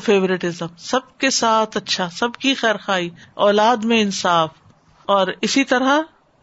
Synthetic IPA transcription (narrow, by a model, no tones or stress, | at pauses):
feːʋɾɪʈɪzəmsɐb̚kesaːt̪ʰɐtːʃʰasɐbkixɛːɾxaːiːɔːlaːd̪mẽɪnsaːf | ɔːɾɪsit̪ɐɾa